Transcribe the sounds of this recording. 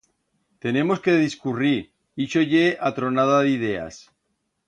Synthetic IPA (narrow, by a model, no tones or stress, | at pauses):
t̪e̞ne̞mo̞skeðiskuriɾ | iʃoʝeʔat̪ɾonaðaðið̞ea̰s